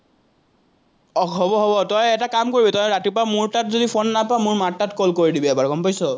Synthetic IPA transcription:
ɔɦɔbɔɦɔbɔtɔjɛtakamkoɹibɛtɔjɹatipɹamuɹtatzodipʰonːapamuɹmatːatkolkoɹidibɛɛbaɹɡɔmpajsɔ

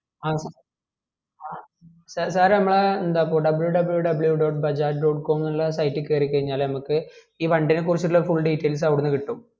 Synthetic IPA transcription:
aːsa | aː | saːsaːɾnɐmːɐɭeend̪aːpoːɖɐbɐljuɖɐbljuɖɐbɐɭjuɖo̞ːʈ̚bɐd͡ʑaːʈɖoːɖko̞ːmnɐɭːɐsɐjtːikːeːɾik̬ːɐɻiɲːaːlnɐmukːɨ | iːpɐɳɖinek̬ːurit͡ɕːuʈuɭːɐfuɭːɖiːtːɐjls̬ɐʋɽunːɨkiʈːum

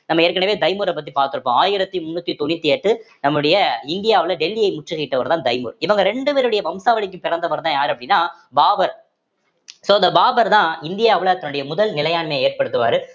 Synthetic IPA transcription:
nɐmːɐeːɾkɐɳɐʋeːd̪ɐɪmuːɾɐp̬ːɐt̪̬ːipaːɾt̪ɯɾɯpːõaːjɪɾɐt̪ːimʊnːʊt̪ːit̪ɔnːɪt̪ːiɛʈːɯnɐmːɯɽɐjɐɪnd̪ɪjaːʋɪlɐɖɛlːɪɐɪmʊʈːrɯɣɐɪʈːɐʋɐɾt̪ãːd̪ɐɪmṵɾɪʋɐŋɡɐɾɛɳɖɯpeːɾɯɽɐjɐʋɐmsaːʋɐɭɪk̬ʲːɯ̃mpɪɾɐnd̪ɐʋɐɾt̪ãːjaːɾɐpːɐɽɪnːaː | baːbɐɾ | soːɐnd̪ɐbaːbɐɾt̪ãːɪnd̪ɪjaːʋɪlɐɐt̪ːɐnɯɽɐjɐmʊðɐlnɪlɐjaːnmeːeːɾpɐɽɯt̪ːɯʋa̰ːɾɯ

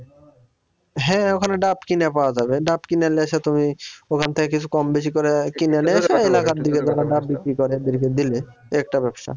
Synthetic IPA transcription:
ɦɛ̃okʰaneɖapkinapaoad͡ʑabeɖapkineleaʃat̪umiokʰant̪ʰekek̬it͡sʰukɔmbeʃ̬ikɔɾekineneaʃaelakaɾd̪iked͡ʑaɾaɖap̚bikɾikɔɾeed̪eɾked̪ileɛk̚ʈabɛbʃa̰

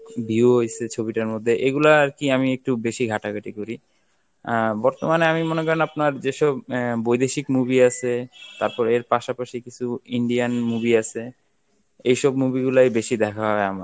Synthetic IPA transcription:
bioɦojsʰet͡ɕʰobiʈaɾmod̪ʱːeʔeɡulaɾkiamiek̚ʈubeʃiɡʱaʈaɡʱaʈikoɾi | bɔɾt̪omaneamimonekɔɾenapnaɾd͡ʑeʃɔbːojd̪eʃikmubiat͡ɕʰet̪aɾpɔɾeɾpaʃapaʃikit͡ɕʰuiɳɖianmubiat͡ɕʰe | ejʃɔbmubiɡulajbeʃid̪ɛkʰaɦɔeamaɾ

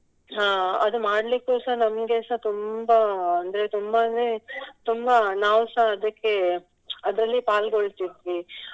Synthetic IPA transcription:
ɦaːɐd̪umaːɽlikːuːsaɦnɐmɡeːsat̪umbɐɐnd̪ɐɾe̞t̪umbɐnet̪umbɐnaːʋsaɐd̪ɐkːe̞ | ɐd̪ɾɐlːipaːlɡoɭt̪id̪ʋi

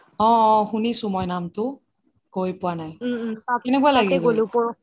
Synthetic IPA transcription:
ɔ̃xunisʊ̃mɔjnamtʊ | kojpʊanajakɛnɛkualaɡiɛolupɔ

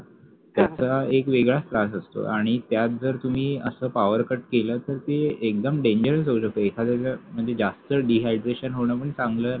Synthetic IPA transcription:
t̪jat͡saekʋeɡɭast̪ɾasəst̪o̰ʔaɽ̃it̪jat̪̚d͡zəɾt̪um̤iːəsəːpaʋəɾkəʈ̚keləːt̪əɾt̪eek̚d̪əmɖeɲd͡ʑəɾəsɦoɕək̚t̪əek̪ʰad͡zaam̤əɳd͡zed͡zast̪əɖiɦajʈɾeɕənɦoɳ̃ap̬əɳsãŋɡlə

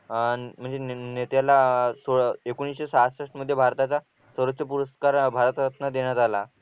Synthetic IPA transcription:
m̤əɳd͡zenet̪jalasoɭekoɽ̃isɕesaɦasəʂʈməd̪ʱjebʱaɾt̪at͡sa | səɾət͡ɕəpuɾəskaɾbʱaɾət̪ət̪nad̪eɳjat̪ala

